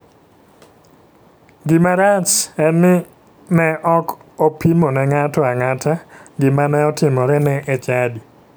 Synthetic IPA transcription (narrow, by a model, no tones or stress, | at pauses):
ɡɪmaɾat͡ʃɛnɪ | nɛʔɔkopimonɛŋatɔaŋatʰaɡɪmanɛɔtɪmɔɾɛnɛʔɛt͡ʃadi